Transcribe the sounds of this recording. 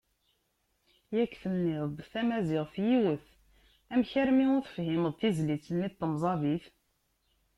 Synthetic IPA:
jækːθənːɪðˤθæmæzɪʁfjiwəθ | æmçəɾmiʊɾθəfhɪməðˤθizlit͡sːənːit̪ˤːəmzˤɑðiθ

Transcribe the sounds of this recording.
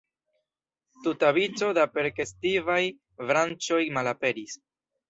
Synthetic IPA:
tutaβit͡so̞dape̞ɾke̞stivaj | vɾant͡ʃo̞jmalape̞ɾis

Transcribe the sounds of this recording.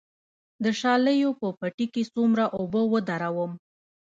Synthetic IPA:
d̪əʃɑləjopəpaʈikesumɾaʔobəwəd̪aɾawəm

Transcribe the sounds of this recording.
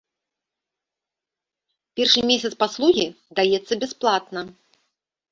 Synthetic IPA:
pʲɛrʂɨmʲesʲɐt̪spaslˠuɣʲi | d̪ajɛt̪sːɐbʲɛsplˠat̪nɐ

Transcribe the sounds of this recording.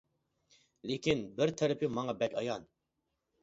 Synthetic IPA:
lekʲʰinbɪɾt̪ʰɛɾɪpʰjumɑŋɑbɛkʲʰɑjɑn

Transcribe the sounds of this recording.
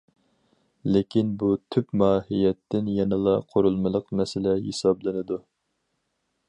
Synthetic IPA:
lɪkʲʰinbut̪ʰypmɑːhijɛt̪ʰːɪnjɛnɨlˠɑqʰoɾulˠmɨlˠəqmɛsɪlɛɦḛsɑblˠɨnɨd̪u

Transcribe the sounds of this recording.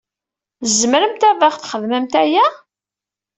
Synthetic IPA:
zməɾəmt̪ævaχθχəðmæmt̪æjæ

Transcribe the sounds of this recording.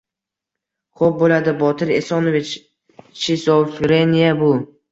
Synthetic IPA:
χop̚bolad̪ɪbɒt̪ʰɪɾesɒnovit͡ʃ | ʃisofɾenʲijabʊ

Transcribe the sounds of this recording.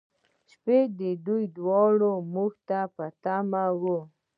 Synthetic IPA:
ʃped̪ɪd̪ʊjd̪wɑɽomʊkt̪apat̪amawo

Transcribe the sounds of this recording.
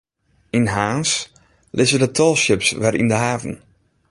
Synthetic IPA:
inɦaːns | lʔɪzədətʰɔlˠsjɪpsʋɛɾḭndəɦaːvən

